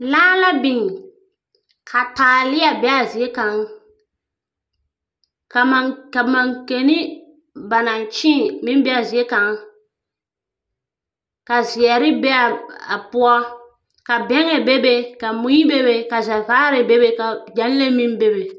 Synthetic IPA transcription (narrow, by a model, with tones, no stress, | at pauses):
laː˦la˦bɪ˨ŋ˨ | kʰa˨taː˨lɪ˦a˨bɛ˦a˨zi˨e˦ka˨˦ŋ | ka˨ma˨ka˨ma˨ŋke˨ni˦ | ba˨na˨nt͡ʃĩ˦˨mɪ̃˦n˦bɛ˦a˨zi˨e˦ka˨ŋ | ka˨zɪ˨ɛ˨ɾɪ˦bɛ˦a˨a˨pʊ˦a˦ | ka˨bɛ˦ŋɛ˨be˦be˨ka˨mʊ˨ji˦be˦be˨ka˨za˨vaː˦ɾɛ˨be˦be˨ka˨d͡ʒa˨˦n˦le˦mĩ˦n˦be˦be˨